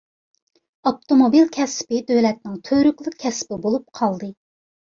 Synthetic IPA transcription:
ɑp̚t̪omobilkʲʰɛspɪd̪ølɛt̪̚nɪŋt̪ʰøɾykʲlˠɨk̚ʲʰːɛspɪbolˠup̚qʰɑlˠd̪ɨ

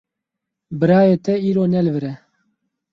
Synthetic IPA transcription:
bɨɾaːjeːt̪ɛiːɾoːnɛlvɨɾɛ

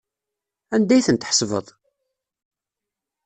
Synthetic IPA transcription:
ænd̪æjθənt̪ħsˤvə̰ðˤ

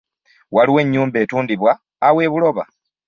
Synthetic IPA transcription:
waliwe̞ɲːuːmbe̞ːtuːndiβwaː | we̞ːβulo̞βa

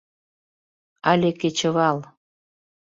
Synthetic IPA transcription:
ɑlʲeket͡ɕə̆βɑl

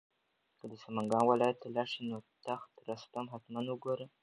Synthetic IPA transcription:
kəd̪əsamaŋɡɑnwɪlɑjat̪ːalɑʂinot̪axt̪əɾast̪amɦat̪manwəɡoɾə

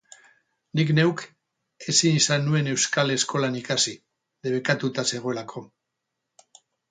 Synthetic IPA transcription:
nikne̞wk | e̞sinisanue̞ne̞wskale̞sko̞lanikasi | ðeβ̞e̞kat̪ut̪ase̞ɣ̞o̞e̞lakʰo̞

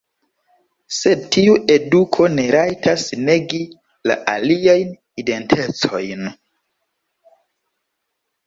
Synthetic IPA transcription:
se̞d̚tiuʔe̞dukʰo̞ne̞ɾajtʰasne̞ɡi | la̰ʔaliajn | ide̞ntʰe̞t͡so̞jn

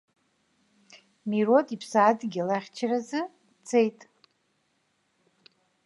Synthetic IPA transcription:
mirotʼipʰsaːdɡʲilaχʲt͡ʃʰrazɨ | t͡sʰejtʼ

